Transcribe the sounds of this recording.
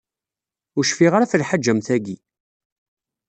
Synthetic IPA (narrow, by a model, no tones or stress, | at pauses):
ʊʃfiʁɾaθəlħad͡ʒːəmθæɡi